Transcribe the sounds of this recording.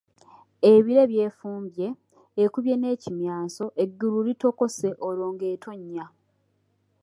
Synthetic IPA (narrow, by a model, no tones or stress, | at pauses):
e̞βiɾe̞βje̞ːfuːmbje̞ː | kuβje̞ne̞ːcimjaːnso̞ʔeɡːululito̞ko̞se̞ʔolo̞ːŋɡe̞ːtʰo̞ɲːa